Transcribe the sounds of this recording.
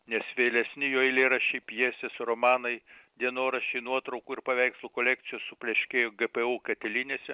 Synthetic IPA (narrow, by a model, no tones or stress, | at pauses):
nʲɛsʋʲeːlʲɛsʲnʲɪjoːɪlʲeːɾɐʃʲɛɪpʲjiːsʲt̪ʲesʊɾomɑːnɐɪd̪ʲiɛnoːɾɐʃʲeɪnuɔt̪ɾɐʊkuːɪɾpɐʋʲɛɪkslˠukolʲæk̚t̪sʲɪjoːssʊpʲlʲɛʃʲkʲeːjoɡɛpeuːkɐt̪ʲɛlʲiːnʲesʲɛ